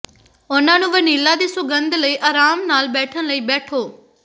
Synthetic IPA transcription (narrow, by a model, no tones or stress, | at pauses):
ʊnãːnũːʋəniːlaːd̪iːsʊɡənd̪ləiːʔaːɾaːmnaːlbɛːʈʰənləiːbɛːʈʰoː